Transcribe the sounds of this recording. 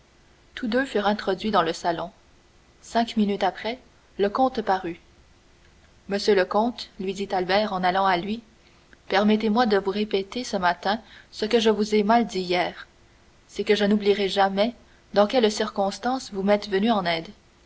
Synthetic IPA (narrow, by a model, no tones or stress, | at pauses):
t̪ʰud̪øfyːʁɛ̃t̪χɔd̪ɥid̪ɑ̃ləsalɔ̃ | sɛ̃kminyt̪apχɛ | ləkɔ̃t̪paʁy | məsjøləkɔ̃t̪lɥid̪it̪albɛːʁɑ̃nalɑ̃alɥi | pɛʁmɛt̪emwad̪əvuʁepɛt̪esəmat̪ɛ̃səkəʒəvuzɛmald̪iijɛːʁ | sɛkəʒənubliʁɛʒamɛ | d̪ɑ̃kʲɛlsiʁkɔ̃st̪ɑ̃svumɛt̪vənyɑ̃nɛːd̪